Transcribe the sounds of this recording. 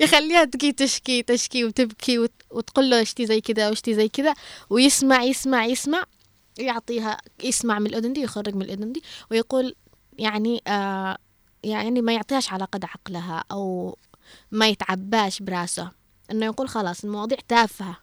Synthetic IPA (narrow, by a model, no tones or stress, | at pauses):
jɪxalːiːhat̪ɡiːt̪aʃkit̪aʃkiwt̪ɪbkʰiw | wɪt̪qʊlːuʔɪʃt̪izajːkɪd̪aʔawʔɪʃt̪izajːkɪd̪awjɪsmaʕjɪsmaʕjɪsmaʕ | wjʊʕt̪ˤiːɦa̰jɪsmaʕmɪnɪlʔʊd̪ʊnd̪ijxarːɪɡmɪnɪlʔʊd̪ʊnd̪iwɪjaquːl | jaʕniʔa | jaʕnimajʊʕt̪ˤiːhaʃʕalaːqɑd̪ʕɑqlaɦaʔaw | majɪt̪ʕabːaːʃbɾˤɑːsa | ʔɪnːojaquːlxɑlɑːsˤɪlmɑwɑːd̪ˤiːʕt̪aːfha